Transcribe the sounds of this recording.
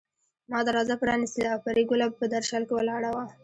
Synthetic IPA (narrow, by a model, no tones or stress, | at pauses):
mɑd̪əɾɑzapəɾɑnist̪əlawpaɾiɡʊlabpəd̪aɾʃɑlkewəlɑɽawa